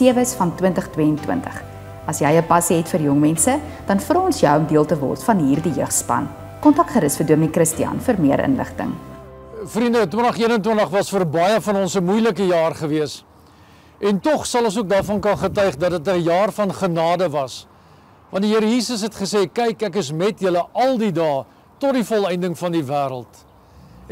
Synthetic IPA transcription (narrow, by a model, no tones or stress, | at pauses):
iəvəsfɐntwəntəχtwiəntwə̰ntə̰χ | ɐsjɛjəpɐsiɦɛtfərjɔŋmɛnsə | d̥ɐnfrɑːɔnsjœwɔmdiəlˠtəvɔ̰rtfɐnɦiːrdijœχtspɐ̰n | kɔntɐk̚tχəɾəsfəduəmikrəstiɐ̰nfərmiəɾʔə̰nlə̰χtə̰ŋ | frindətwəntəχiənəntwəntəχvɐsfərbɐjəfɐnɔnsəmujləkəjɑːrχəviəs | ʔɛntɔχsɐlˠɔ̃ns̬uək̚dɑːrfɐnkɐnχətœɥχdɐtdətəjɑːrfɐnχənɑːdəvɐs | vɐ̃ntdiɦəɾəjiːsəsɦɛtχəseːkɛjkækəsmɛtjələʔɐlˠdidɑː | tɔt̚difɔlˠɛjndəŋfɐndivæːɾəlˠt